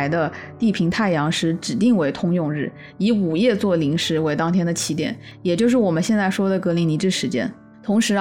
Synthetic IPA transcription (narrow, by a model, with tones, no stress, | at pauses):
ɪd̪ə˧t̪i˥˩pʰi˧˥ŋt̪ʰa˥˩ɪjɑ˧˥ŋʂɻ̩˧˥ʈ͡ʂɻ̩˨˩t̪i˥˩ŋwe˧˥ɪt̪ʰʊ˥ŋjʊ˥˧ŋɻɻ̩˥˩ | i˧˥u˨˩jɛ˥˧t͡swɔ˥˩li˧˥ŋʂɻ̩˧˥we˧˥ɪt̪ɑ˥ŋt̪ʰjɛ˥nd̪ə˨t͡ɕʰi˧˥t̪jɛ̰˨˩˦njɛ˨˩t͡ɕjo˥˧ʊʂ̬ɻ̩˥˩wɔ˨˩mə˦nɕjɛ˥˧nt͡sa˥˩ɪʂwɔ˥d̪ə˨˩kɤ˧˥li˧˥ni˧˥ʈ͡ʂɻ̩˥˩ʂɻ̩˧˥t͡ɕjɛ̰˥n | t̪ʰʊ˧˥ŋʂɻ̩˧˥